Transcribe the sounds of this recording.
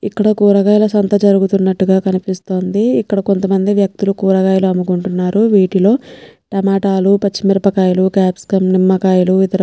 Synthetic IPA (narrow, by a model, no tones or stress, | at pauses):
ikːɐɽɐkuːɾɐɡaːjɐlɐsɐnt̪ɐd͡ʒɐɾuɡut̪unːɐʈːuɡaːkɐnipist̪o̞ːnd̪iːkːɐɽɐko̞nt̪ɐmɐnd̪iʋjɐk̚t̪ulukuːɾɐɡaːjuluɐmukuɳʈunːaːɾuʋiːʈilo̞ːʈɐmaːʈaːlupɐt͡ʃːimiɾɐpɐkaːjulukaːpskɐmnimːɐkaːjuluit̪ɐɾ